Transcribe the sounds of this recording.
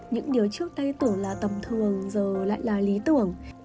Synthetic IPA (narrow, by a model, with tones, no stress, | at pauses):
ɲɨ̰˧˥ŋɗi˨˩əwt͡ɕɨ˦˥ək̚t̪a˧jt̪u˧˩ənlaː˨˩t̪ə˨˩mt̪ʰɨ˨˩əŋzəː˨˩la̰ː˧˨jlaː˨˩li˨˦t̪ɨ˧˩əŋ